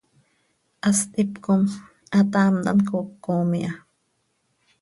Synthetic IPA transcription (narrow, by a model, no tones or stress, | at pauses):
ʔast̪ipkom | ʔat̪amd̪a̰nkokːomiʔa